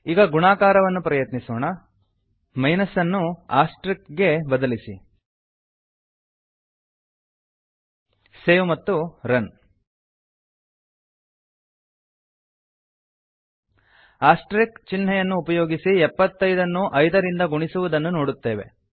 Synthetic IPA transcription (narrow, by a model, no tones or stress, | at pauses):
iːɡɐɡuɳaːkaːɾɐʋɐnːupɾɐjɐt̪nisoːɳɐ | mɐjnɐsɐnːuaːsʈɾikɡe̞bɐd̪ɐlisḭ | seːʋmɐt̪ːuɾɐn | aːsʈɾikt͡ʃinːɐjɐnːuːpɐjoːɡisiɛpːɐt̪ːɐjd̪ɐnːuʔɐjd̪ɐɾind̪ɐɡuɳisuʋud̪ɐnːuno̞ːɽut̪ːe̞ːʋe̞̰